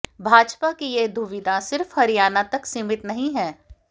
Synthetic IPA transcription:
bʱaːd͡ʒpakijed̪ʱʊʋɪd̪ʱasɪɾfhɐɾijaːnat̪ɐksɪmɪʈ̪nɐɦĩɦɛː

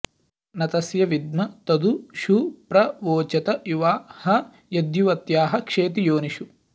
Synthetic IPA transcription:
nɐt̪ɐsjɐʋid̪mɐt̪ɐd̪uʃupɾɐʋoːt͡ʃɐt̪ɐjuʋaːhɐ | jɐd̪juʋɐt̪jaːɦɐkʂeːt̪̬ijoːniʃu

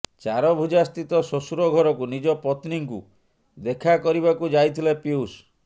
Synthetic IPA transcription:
t͡ʃaɾɔbʱud͡ʒast̪it̪ɔsosuɾɔɡʱɔɾɔkunid͡ʒɔpɔt̪niŋkṵ | d̪ekʰakɔɾiβakud͡ʒajt̪ʰilepius

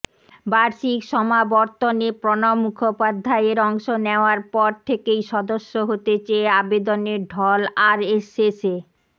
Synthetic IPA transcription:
baɾʃikʃɔmabɔɾt̪onepɾɔnomːukʰopad̪ʱːaeɾɔŋʃoneoaɾpɔɾt̪ʰekejʃɔd̪oʃːoɦot̪et͡ɕeeabed̪oneɾɖʱɔlaɾesese

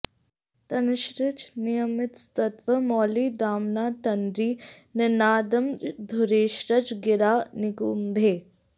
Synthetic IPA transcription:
t̪ɐnɪʃɾɪt͡ʃnɪjəmɪt̪st̪ɐt̪ʋəmɔːliːd̪aːmnaːt̪ɐnɾiːnɪnaːd̪ɐmd̪ʱʊɾeːʃɾɐd͡ʒɡɪɾaːnɪkuːmbʱeː

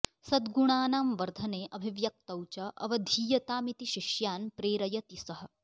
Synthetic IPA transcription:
sɐd̪ɡuɳaːnaːmʋɐɾd̪ʱɐneːʔɐbʱiʋjɐk̚t̪ɐwt͡ʃɐʔɐ̰ʋɐd̪ʱiːjɐt̪aːmit̪iʃiʃjaːnpɾeːɾɐjɐt̪isɐɦɐ̆

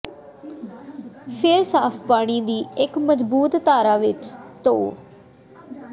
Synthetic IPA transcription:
pʰɪɾsaːpʰpaːɽ̃iːd̪iːɪkməzbuːt̪t̪aːɾaːʋɪt͡ʃt̪oː

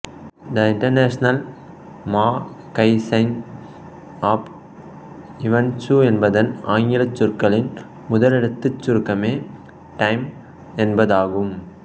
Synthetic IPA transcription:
nd̪ɐɪɳʈɐɾneːʂnɐl | maː | kɐɪsɐɪn | aːp | ɪʋɐnt͡ʃuɛnbɐðɐnaːŋɡɪlɐt͡ʃːʊɾkɐɭɪn | mʊðɐlɪɽɐt̪ːɯt͡ʃːʊɾɯkːɐmeː | ʈɐɪm | ɛnbɐðaːɣɯm

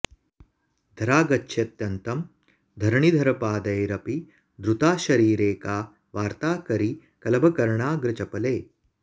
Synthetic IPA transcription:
d̪ʱɐɾaːɡɐt͡ʃːʃʰɐt̪jɐnt̪ɐm | d̪ʱɐɾɐɳid̪ʱɐɾɐpaːd̪ɐjɾɐpi | d̪ɾut̪aːʃɐɾiːɾeːkaː | ʋaːɾt̪aːkɐɾi | kɐlɐbʱɐkɐɾɐɳaːɡɾɐt͡ʃɐpɐleː

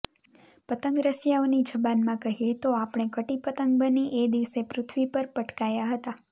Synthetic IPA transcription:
pət̪əŋɡɾəsjaonid͡ʒəbanmãkəɦiet̪oapɳ̃ekəʈipət̪əŋɡ̚bəniʔed̪iʋsepɾʊt̪ʰʋipəɾpəʈkajaɦət̪a

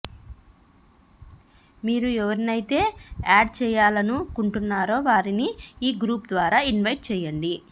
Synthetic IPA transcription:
miːɾuɛʋɐɾinɐjit̪e̞ːaːɖt͡ʃɛːjaːlɐnukuɳʈunːaːɾo̞ːʋaːɾiniiːɡɾuːpd̪ʋaːɾaːinʋɐjʈ̚t͡ʃɛːjːɐɳɖi

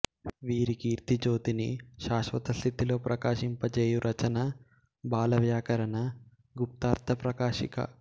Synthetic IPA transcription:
ʋiːɾikiːɾt̪id͡ʒo̞ːd̪iniʃaːʃʋɐt̪ɐst̪ʰit̪ilo̞ːpɾʔɐkaːʃimpɐt͡ʃeːjuɾʔɐt͡ʃɐnɐ | baːlɐʋjaːkɐɾɐnɐ | ɡup̚t̪aːɾt̪ʰɐpɾɐkaːʃikɐ̰

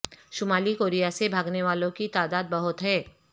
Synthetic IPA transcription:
ʃʊmaːlikoːɾijasebʱaːɡneʋaːlõkit̪aːd̪aːd̪̚bɐɦʊt̪ɦɛː

